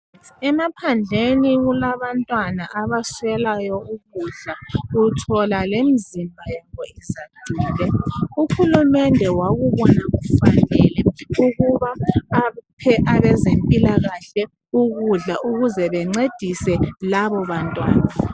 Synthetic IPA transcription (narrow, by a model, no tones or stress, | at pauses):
ɛmapʰand͡ɮʱeniɣulaβantʼwanaʔaβaswɛlajɔuɣuɮautʰɔlalemizimbʱajaβɔizaɡ̥ʱiːlɛuxulumɛndʱɛwaɣuβɔnaɣufanɛlɛuɣuβaː | pʰɛʔaβɛzempʼilaɣaɬɛ | uɣuɮaʔuɣuzɛβɛŋ͡ǀed̥ʱisɛlaβɔβantʼwa̰ːna